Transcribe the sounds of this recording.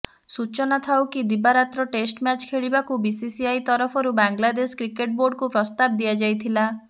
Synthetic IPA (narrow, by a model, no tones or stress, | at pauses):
sut͡ʃɔnat̪ʰawkid̪ibaɾat̪ɾɔʈesʈmjat͡ʃkʰeɭibakubisisiajt̪ɔɾɔpʰɔɾubaŋɡlad̪eskɾikeʈ̚boɾɖkupɾɔst̪ab̚d̪ijad͡ʒajt̪ʰila